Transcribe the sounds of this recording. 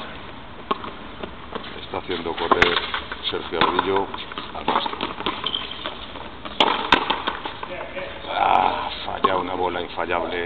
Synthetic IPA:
e̞̰st̪aθje̞nd̪o̞ko̞reɾse̞ɾxjoaβðiʎoalma̰st̪o | a̰fa̰ʎaunaβo̞laiɱfaʎaβle

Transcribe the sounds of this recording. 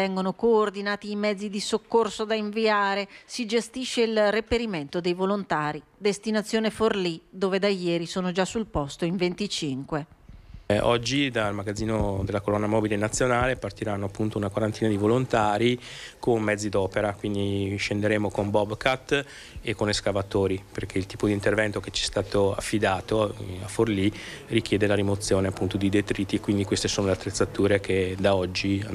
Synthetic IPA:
ɛŋɡonokoːrd̪inaːt̪iːmɛd̪zːid̪isokːorsod̪aiɱviaːɾesid͡ʒest̪iʃːeilrepeɾiment̪od̪ejvolont̪aːɾid̪est̪inat̪sːjoːneforlid̪oːved̪ajɛːɾisoːnod͡ʒasulpɔst̪oiɱvent̪it͡ʃiŋkwe | ɔd͡ʒːid̪almaɡad̪zːiːnod̪elːakolɔnːamɔːbilenat̪sːjonaːlepart̪iɾanːoapːunt̪ounakwaɾant̪iːnad̪ivolont̪aːɾikonmɛd̪zːid̪ɔːpeɾakwind̪iʃend̪eɾeːmokombɔbkʰat̪ː | ekːoneskavat̪oːɾiperkʰeilt̪iːpod̪iːnt̪ervɛnt̪oket͡ʃɛst̪aːt̪oa̰fːid̪aːt̪oaforlirikjɛːd̪elaɾimot̪sːjoːneapːunt̪od̪id̪et̪ɾiːt̪ːikwind̪ikwest̪esoːnoleat̪ːɾet̪sːat̪uːɾekʰed̪aɔd͡ʒːi

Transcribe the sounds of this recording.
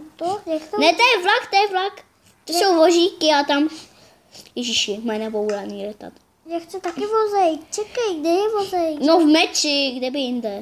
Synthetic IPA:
t̪ojak̪nɛt̪ɛjɛvlakt̪ɛjɛvlak | t̪osowvoʒiːkɪat̪am | jɛʒiʃɪmɛnɛboulaniːlɛt̪a̰t̪ | jakt̪ɛt̪akɪvozɛjt͡ʃɛkajɡdɛjɛvozɛjnovmɛt͡ʃɪɡdɛbɪjɪnd̪ɛ

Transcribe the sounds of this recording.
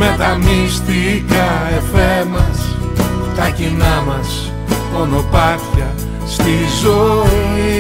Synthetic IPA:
met̪amist̪ikɐefɛmɐs | t̪ɐkinamɐs | onopaθjɐ | st̪izo

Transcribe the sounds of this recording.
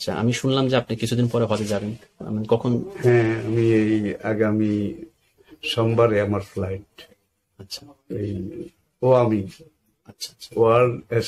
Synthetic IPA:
aa̰ʔa̰miʃunlamd͡ʑeapnikit͡ɕʰud̪inpɔɾeɦɔt̪ed͡ʑaben | a̰makɔkʰonhɛ̃amiejaɡami | ʃɔmbaɾeamaɾflajʈ̚ | atːɕʰḁej | oami | atːɕʰaʃʰḁoaɾe

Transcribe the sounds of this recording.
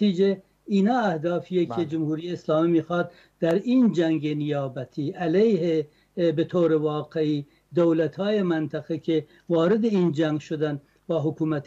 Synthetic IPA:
iːd͡ʒe | iːnɑːæhd̪ɑːfijekʰʲed͡ʒomhuːɾijeːslɑːmiːmiːxɑːd̪ | d̪̥æɾiːnd͡ʒæŋɡenijɑːbæt̪ʰiːʔælejhe | bet̪ʰoːɾevɑːqeiː | d̪owlæt̪ʰhɑːjemænt̪ʰæɣekʰe | vɒːɾed̪eiːnd͡ʒæŋɡʃod̪æn | bɒːɦokʰuːmæt̪ʰ

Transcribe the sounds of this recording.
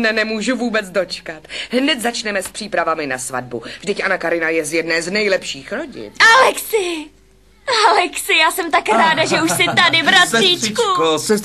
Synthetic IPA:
nɛnɛmuːʒuvuːbɛt͡sdo̞t͡ʃkat̪ɦnɛt̪zat͡ʃnɛmɛspr̥iːpɾavamɪnasva̰d̚bṵvʒdɪcʔanakaɾɪnajɛzjɛdnɛːznɛjlɛpʃiːxɾo̞ɟɪ̰nʔalɛksɪ | ʔalɛksɪjaːsɛmt̪akɾaːdaʒɛuʃsɪt̪adɪbɾat̪riːt͡ʃkusɛ

